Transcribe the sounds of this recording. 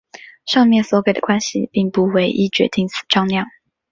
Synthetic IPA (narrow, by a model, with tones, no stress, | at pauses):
ʂɑ˥˧ŋmjɛ˥˩nswɔ˧˥ke˨˩ɪd̪ə˨kwa˥nɕḭ˨pi˥˩ŋpu˧˥we˧˥ɪʔi˥t͡ɕɥɛ̰˧˥t̪i˥˩ŋsʰɹ̩̥˨˩ʈ͡ʂɑ˥˧ŋljɑ˥˩ŋ